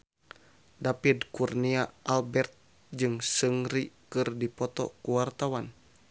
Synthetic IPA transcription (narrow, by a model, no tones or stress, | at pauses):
dapidkurniaʔalbɛrt̪̚ | d͡ʒɨŋsəŋɾikɨrdipɔt̪ɔ̰kuwart̪awan